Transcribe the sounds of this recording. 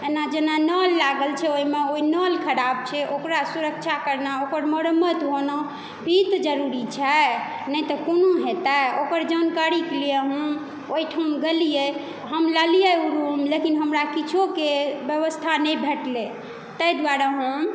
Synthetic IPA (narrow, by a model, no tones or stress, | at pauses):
enad͡ʒenanəlːaɡəlt͡ʃʰɛoimeoinəlkʰəɾab̚t͡ʃʰɛʔokɾasuɾək̚t͡ʃʰakəɾnaokəɾmoɾəmːət̪ɦono | bʱit̪d͡ʒəɾuɾit͡ʃʰɛ | nəjt̪ɔkonoɦet̪aokəɾd͡ʒankaɾikelijeɦũ | oiʈʰɦəmɡelije | ɦəmləlijeuɾumlekinɦəmɾakit͡ʃʰokebjəʋəst̪ʰanɛjbʱeʈle | t̪əjd̪waɾaɦəm